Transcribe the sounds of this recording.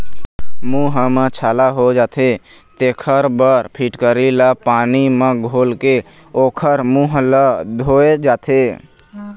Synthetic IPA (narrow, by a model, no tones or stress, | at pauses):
muɦmət͡ʃʰalaɦod͡ʒat̪ʰe | t̪ekʰəɾbəɾpʰiʈkəɾilapanimẽɡʱolke | okʰəɾmuɦləd̪ʱoed͡ʒaːt̪ʰe